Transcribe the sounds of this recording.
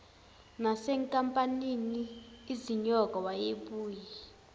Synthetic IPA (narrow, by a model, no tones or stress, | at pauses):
nasɛŋkʼampʼaniniːziɲɔk̬ʼɔwajeɓuːji